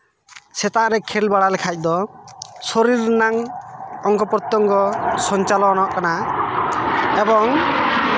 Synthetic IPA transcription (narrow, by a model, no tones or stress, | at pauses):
sɛt̪aʔɾɛkʰɛlbaɽalɛkʰac̚ˀd̪ɔsɔɾiɾnaŋɔŋkɔpɔɾt̪ɔŋkɔsɔnt͡ʃalɔnɔʔkana | ebɔŋ